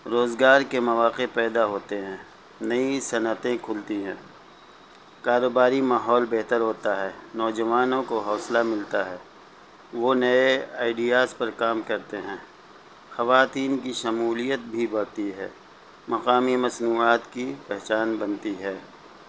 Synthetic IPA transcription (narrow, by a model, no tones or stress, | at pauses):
ɾoːzɡaːɾkemɐʋaːqepɛːd̪aɦoːt̪eɦɛ̃ː | nɐisɐnət̪ẽkʰʊlt̪iɦɛ̃ː | kaːɾoːbaːɾimaːɦɔːlbɛɦt̪əɾɦoːt̪aɦɛːnɔːd͡ʒɐʋaːnõkoɦɔːslamɪlt̪aɦɛː | ʋonɐeaːɪɖijaːzpɐɾkaːmkɐɾt̪eɦɛ̃ː | xɐʋaːt̪iːnkiʃɐmuːlijət̪̚bʱibɐɽt̪iɦɛ̰ː | mɐqaːmimɐsnuːaːt̪kipɛɦt͡ʃaːnbɐnt̪iɦɛː